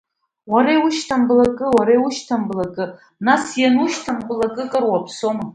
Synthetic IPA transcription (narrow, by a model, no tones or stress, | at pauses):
waɾajwuʃtʰamblakʼɨwaɾajwuʃtʰamblakʼɨ | nasjanuʃtʰamblakʼɨkʼɨrwapʰsoma